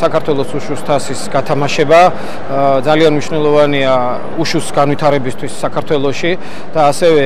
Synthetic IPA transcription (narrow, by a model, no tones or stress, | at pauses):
sakʰaɾt̪ʰwɛlˠɔsuʃust̪ʰasisɡat̪ʰamaʃɛba | d̪zalianmniʃvnɛlˠɔvania | uʃusɡanwit̪ʰaɾɛbist̪ʰwisːakʰaɾt̪ʰwɛlˠɔʃi | d̪̥aːsɛvɛ